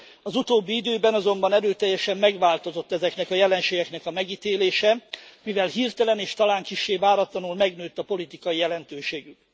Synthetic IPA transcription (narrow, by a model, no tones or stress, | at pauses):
ɒzut̪oːbːiid̪øːbɛnɒzo̞mbɒnɛɾøːt̪ɛjːɛʃɛmːɛɡʋaːlt̪o̞zo̞t̪ːɛzɛknɛkɒjɛlɛnʃeːɡɛknɛkɒmɛɡiːt̪eːleːʃɛmivɛlɦiːrt̪ɛlɛneːʃt̪ɒlaːŋkiʃːeːvaːɾɒt̪lɒnulmɛɡnøːt̪ːɒpo̞lit̪ikɒjijɛlɛnt̪øːʃeːɡyk